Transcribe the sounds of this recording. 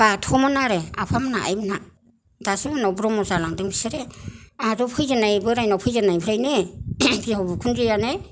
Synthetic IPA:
b̥atʰɔmanaɾea̰pʰamnaʔa̰jbɯna | dasɯbanɔbɾɔmɔzalaŋdɯŋbisɯɾeaɾupʰɯjzanajbɯɾajnɔpʰɯjzanajpʰiɾajnepʰijaɔbɯkʰunɾijane

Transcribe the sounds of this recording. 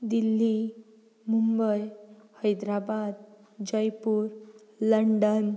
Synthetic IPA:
d̪ilːi | mumbəjhəjd̪ɾabad̪̚ | d͡ʑəjpuːɾ | ləɳɖən

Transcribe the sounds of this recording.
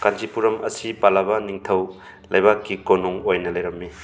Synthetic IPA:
kand͡ʒipuɾɐmɐsipalabɐniŋtʰɐw | lɐjbakːikonuŋojnɐlɐjɾɐmːi

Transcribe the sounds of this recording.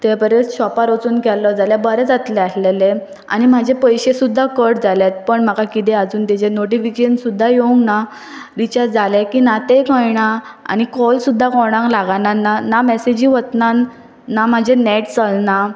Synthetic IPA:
t̪ɛpəɾeɕɔpaɾot͡suːnkɛlɔd͡zaljabəɾɛt͡sat̪leaslele | a̰ɽ̃im̤ad͡ʑʱepəjɕesud̪ʱːakəʈd͡zaljat̪̚pəɳm̤akakit̪̬ead͡zuːnt̪id͡ʑenoʈ̬ifikeənsud̪ʱːajeũŋkna | ʋit͡ɕaɾd͡zalɛkiːnat̪ekɔ̃jɳaa̰ñikɔlsud̪ʱːakɔɽ̃ãŋklaɡananːanamɛsed͡ʑĩʋət̪nanː | am̤ad͡ʑʱenɛʈt͡səlna

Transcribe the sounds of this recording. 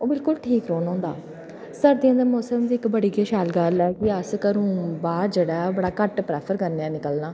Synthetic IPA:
oːbɪlkʊlʈʰiːkɾoːnõːnd̪a̰ː | səɾd̪iːə̃nd̪əmoːsəmd̪iːɪkbəɽiːɡeːʃaːlɡəlɛːkɪəskəɾũːbaːɾd͡ʒeːɽaːbəɽaːkəʈpɾɛːpʰəɾkəɾneãːnɪkəlnãː

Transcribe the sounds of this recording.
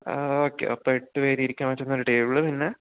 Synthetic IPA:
oːkːḛɐ̰pːoeʈːɨʋeːɾiiɾikʲːaːmʋɐtːonːoɾuʈeːʋiɭɨpinːe

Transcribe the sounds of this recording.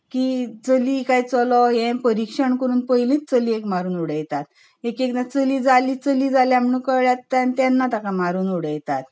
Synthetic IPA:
kiːt͡səlikajt͡sɔlɔjɛ̃pəɾikʂəɳkəɾuːnpəjlĩt̪t͡səliekmaɾuːnuɽəjt̪at̪̚ | ekeknat͡səliːd͡zaliːt͡səliːd͡zaljam̤əɳũːkəɭjat̪ːant̪janːat̪akamaɾuːnuɽəjt̪at̪

